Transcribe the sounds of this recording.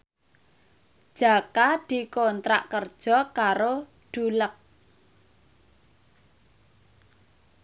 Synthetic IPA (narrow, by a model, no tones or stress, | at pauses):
d̥ʒ̥a̤kad̪̥i̤kont̪ɾa̰ʔkərd̥ʒ̥ɔ̤kaɾo | ɖ̥ṳlək̚